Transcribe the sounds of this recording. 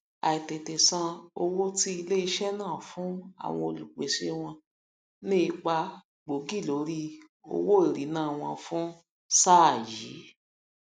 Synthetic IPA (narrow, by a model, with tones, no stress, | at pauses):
a˨i˨te˨te˨sã˧o˧wo˦ti˦i˧le˦i˧ʃɛ˦nãː˦˨fũ˨˦a̰˨w̃ɔ̃˧o˧lu˨k͡pe˨ʃe˦w̃ɔ̃˧ | nĩ˦i˧k͡pa˧ | ɡ͡bo˨˦ɡi˦˨lo˨˦ɾi˦ | o̰˧wo˦i˨ɾi˨˦nãː˦˨w̃ɔ̃˧fũ˦ | sa˦˨ji˨˦